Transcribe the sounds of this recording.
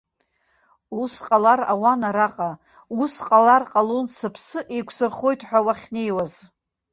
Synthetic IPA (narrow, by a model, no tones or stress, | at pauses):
usqʼalara̰wanaɾaqʼa | usqʼalarqʼalonsɨpʰsɨʔejkʷʰsɨrχo̞jtʰʼħʷᶣawaχʲnejwaz